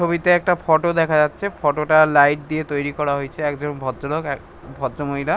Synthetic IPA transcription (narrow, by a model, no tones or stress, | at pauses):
t͡ʃʰobit̪eɛk̚ʈapʰɔʈod̪ɛkʰad͡ʒatːʃʰepʰɔʈoʈalajʈ̚d̪iet̪ojɾikɔɾaɦojt͡ʃʰeɛkd͡ʒɔnbʱɔlok | bʱɔdd͡ʒomojla